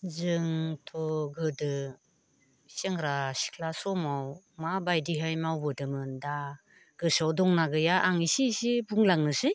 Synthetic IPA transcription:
zɯŋtʰɔɡɯdɯ | seŋɾasi̥kʰlasɔmaw | mabajdiɦajmawbɯdɯmɯnda | ɡ̥ɯsawdɔŋnaɡɯjaʔaŋisisibuŋlaŋnɯsɯj

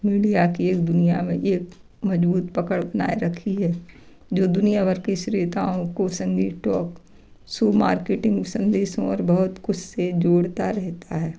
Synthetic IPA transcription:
miɽijakieːk̚d̪ʊnijamẽʔeːk | mɐd͡ʒbuːt̪̚pɐkəɽbɐna̰ːeɾɐkʰiɦɛː | d͡ʒoːd̪ʊnijabəɾkeʃɾiːt̪aːõkosə̃ŋɡiʈɔːk | suːma̰ːɾkeːʈɪ̃ŋɡsɐ̃nd̪eːsõɔːɾbɐɦʊt̪kʊt͡ʃʰsed͡ʒoːɽt̪aɾɛɦt̪aɦɛː

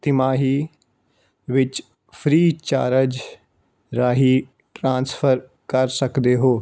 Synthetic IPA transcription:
t̪ɪmaːɦiː | ʋɪt͡ʃ | pʰɾiːt͡ʃa̰ːɾəd͡ʒ | ɾaːɦiː | ʈɾãːnspʰəɾ | kəɾsəkd̪eːɦoː

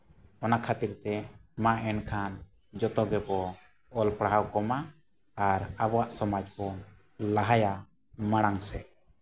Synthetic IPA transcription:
ɔnakʰat̪iɾt̪ɛmaʔɛnkʰan | d͡ʒɔt̪ɔɡɛbɔ | ɔlpɽaɦawkɔmaː | ɾabɔwaʔsɔmad͡ʒkɔ | laɦaja | maɽ̃aŋsɛ

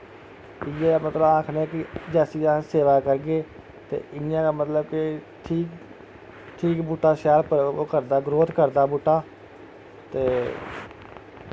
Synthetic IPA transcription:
ɪjeːmət̪ləbãːkʰneːkɪd͡ʒɛːsiːaseːʋaːkəɾɡeː | t̪ḛːɪnɪjãːkaːmət̪ləbkɪ | ʈʰiːk | ʈʰiːkbʊʈːaːsaːɾpəɾokəɾd̪aːɡɾoːt̪kəɾd̪aːbʊʈːaː | t̪eː

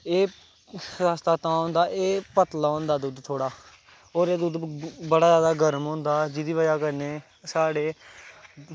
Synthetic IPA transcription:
eː | aːst̪aːt̪ãːɦõːnd̪aːʔeːpət̪laːɦõːnd̪aːd̪uːd̪t̪ʰoːɽaː | oːɾeːd̪uːd̪bəɽaːzjaːd̪aːɡʱəɾmɦõːnd̪aːd͡ʒɪd̪iːʋəd͡ʒaːkəɾneː | saːɽeː

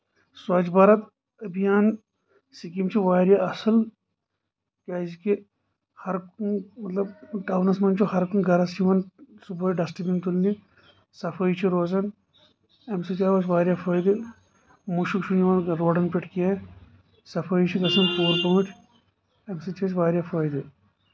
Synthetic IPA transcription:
swɐt͡ʃbɐɾɐt̪ | ɐbijaːn | sikimt͡ʃʰiʋaːɾjaɐsɐl | kaːziki | hɐɾkmɐt̪lɐbʈaːwnɐsmɐnt͡ʃʰuhɐɾkunɡɐɾɐsiʋɐnsubɐiɖɐsʈibint̪ulni | sɐfʰɐit͡ʃʰiɾoːzɐn | emsit͡ʃaːʋɐsʋaːɾʲjaːfʰɐːjd̪i | muʃukt͡ʃʰunjiʋɐnɾoːɖɐnpiʈʰkia | sɐfʰɐit͡ʃʰiɡɐsɐnpuːɾpɐːʈʰ | emsit͡ʃʰit͡ʃʋaːɾʲjafʰɐːjd̪i

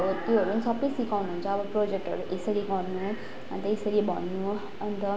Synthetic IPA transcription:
t̪joɦʌɾunisʌpːisikawnuɦunt͡sʰʌːbʌpɾod͡ʒek̚ʈɦʌ̰ɾũʔesəɾiɡʌɾnu | ʌnt̪əesəɾibʱʌnːu | ʌnt̪ʌ

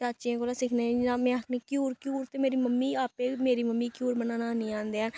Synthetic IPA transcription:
aːt͡ʃiẽkoːlaːsɪkʰneːãːmɛ̃ːakʰnẽːkjuːɾkjuːɾt̪eːmeːɾiːməmːiːaːpeːmeːɾiːməmːiːkjuːɾmənaːnaːniːãːnd̪eːɦɛː

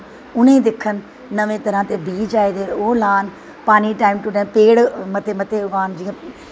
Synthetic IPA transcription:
ʊnẽːd̪ɪkʰːənː | əʋẽːt̪əɾãːt̪eːbiːd͡ʒaːed̪eːoːlaːn | paːniːʈaːɪmʈʊʈẽːpeːɽmət̪eːmət̪eːɡaːnd͡ʒiãː

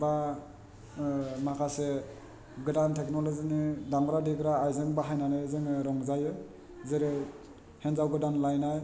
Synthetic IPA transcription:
ba | makʰase | ɡɯdantʰeknɔlɔzinidaŋɾadiɡɾaːjzɯŋbaɦajnanajzɯŋɯɾɔŋzajɯ | zɯɾɯ | henzawɡɯdanlajnaj

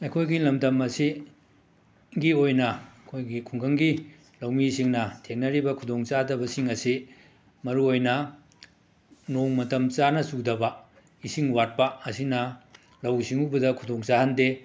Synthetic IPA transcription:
ɐjkʰojɡilɐmdɐmɐsi | ɡiojnɐkʰojɡikʰuŋkʰɐŋɡi | lɐwmisiŋnɐtʰeŋnɐɾibɐkʰudoŋt͡ʃadɐbɐsiŋɐsi | mɐɾuojnɐ | noŋmɐtɐmt͡ʃanɐsudɐbɐ | isiŋwat̚pɐɐsinɐ | lɐwisiŋubɐdɐkʰudoŋt͡ʃahɐnde

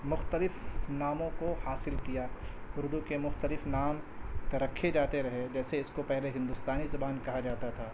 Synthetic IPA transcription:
mʊxt̪əlɪfnaːmõkohaːsɪlkijaʊɾd̪ukemʊxt̪əlɪfnaːmt̪ɐɾɐkʰːed͡ʒaːt̪eɾɐɦed͡ʒɛːseɪskopɛɦleɦɪ̃nd̪ʊst̪aːnizʊbaːnkɐɦad͡ʒaːt̪at̪ʰaː

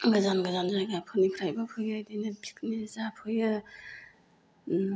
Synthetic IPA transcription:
ɡazanɡazanzajɡapʰɯnipʰɾajbapʰɯjajdajnabʰi̥k̚nizapʰɯjɯ

